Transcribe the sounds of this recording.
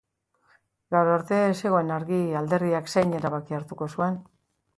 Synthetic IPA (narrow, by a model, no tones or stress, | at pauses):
ɡawɾoɾt̪e̞se̞ɣ̞o̞enaɾɣiald̪e̞ɾðiaksejɲe̞ɾaβakiaɾt̪uko̞sue̞n